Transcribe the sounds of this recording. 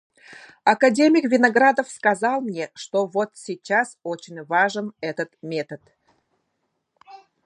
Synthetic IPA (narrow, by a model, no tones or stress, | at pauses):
ɐkɐdʲemʲɪkvʲɪnɐɡɾad̪əfskɐzɑlˠmnʲeʂt̪ovot̪sʲɪt͡ɕːasot͡ɕɪnʲvaʐɨnɛt̪ət̪mʲe̞t̪ət̪